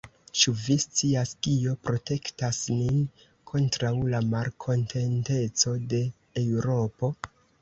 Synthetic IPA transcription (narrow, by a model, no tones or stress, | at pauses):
t͡ʃuvist͡siaskio̞pɾo̞te̞ktasnin | kʰo̞ntɾawlamalkʰo̞ntʰe̞nte̞t͡so̞de̞ː | wɾo̞po̞